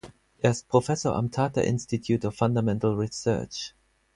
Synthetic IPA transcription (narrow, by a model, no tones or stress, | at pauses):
ʔɛspʰɹ̥ofɛsə̰˞ʔã̰mtʰaːta̰ʔɪ̰̃nstitʰjutɔffãndəmɛ̃ntl̩ˠɹisɜ̰ːt͡ʃ